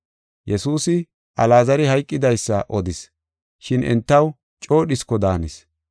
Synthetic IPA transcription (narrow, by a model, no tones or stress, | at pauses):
jɛsuːsɪ | ʔɐlaːzɐɾɪhɐjkʼːɪd̪ɐjsːɐʔɔd̪ɪs | ʃɪnɛ̰nt̪ːɐw | t͡ʃʼo̞ːɗɪskːɔd̪aːnɪs